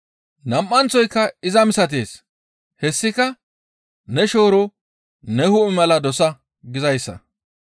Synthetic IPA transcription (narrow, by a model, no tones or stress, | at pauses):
nɐmʔːɐnt͡sɔjkːɐɪzɐmɪsɐt̪̬e̞̰ːs | hɛsːɪkɐ | nɛʃo̞ːɾɔ | nɛhʊʔɪmɐlɐd̪ɔsɐ | ɡɪzɐjsːɐ̰